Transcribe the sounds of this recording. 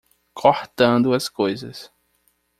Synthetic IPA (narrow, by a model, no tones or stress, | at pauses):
kʰoht̪ɐ̃nd̪ʊɐskojzɐ̰s